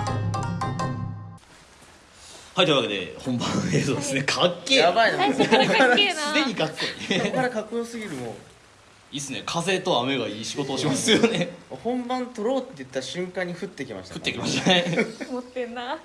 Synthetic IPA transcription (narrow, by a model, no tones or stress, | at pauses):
haijt̪oiɯβake̞d̪e̞̰hõ̞mbãɰeːzoːd̪esɨnekʰakːeːjabaina | sɨd̪e̞ɲ̟iɡakːoikaɾakakɯjoːsɨɡʲiɾɯ̟mo̰ | iːsɨne̞kʰaze̞t̪o̞ame̞ɡaiːɕiɡo̞t̪o̞ːɕimasɨjone̞mohõ̞mbãnt̪o̞ɾo̞ːt̪ːe̞jɯ̟t̪ːaɾɕɨ̃ŋkãɲ̟ːiɸɯ̟t̪ːe̞kʲima̰ɕi̥t̪aɯ̥t̪ːekʲimaɕt̪eot̪ːena